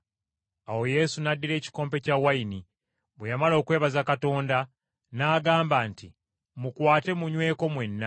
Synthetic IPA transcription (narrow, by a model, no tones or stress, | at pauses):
awo̞je̞sunadːiɾe̞ːci̥koːmpe̞cawajini | βwe̞jamalo̞ːkwe̞ːβazakato̞ːnda | naːɡaːmbaːnti | mukwaːte̞muɲwe̞ːko̞mwe̞nːa